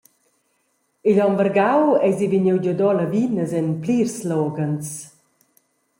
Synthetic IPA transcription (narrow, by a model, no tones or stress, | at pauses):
iʎɔmvəɾɡawɛziviɲewɟɔdɔlavinəzɛnplirslɔɡant͡s